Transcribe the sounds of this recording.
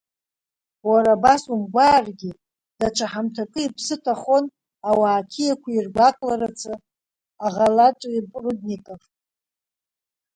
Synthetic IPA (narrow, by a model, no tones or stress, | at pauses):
waɾabasumɡʷaːrɡʲi | d̥aʈ͡ʂʷʰaħamtʰakʼɨipʰsɨtʰaχo̞n | awaːkʲʰijakʷʰairɡʷakʼlaɾat͡sʰɨ | aʁalaʈ͡ʂʼipʼrud̚nikʼafʼ